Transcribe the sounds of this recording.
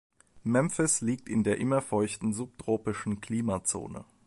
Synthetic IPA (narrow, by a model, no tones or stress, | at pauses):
mɛmfɪsliːk̚tɪndeːɐʔɪmɐfɔʏçtn̩zup̚tʁ̥oːpɪʃn̩kliːmat͡so̰ːnə̰